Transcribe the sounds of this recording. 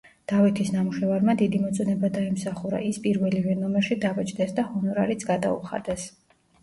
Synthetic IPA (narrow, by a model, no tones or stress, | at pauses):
d̪̥avɛt̪ʰisnamuʃɛvaɾmad̪id̪imɔt̪sʼɔnɛbad̪aimsaχuɾa̰ʔispʼiɾvɛlivɛnɔmɛɾʃid̪avɛt͡ʃʼd̪ɛsd̪ahɔnɔɾaɾit̪sʰɡad̪a̰ṵχa̰d̪ɛs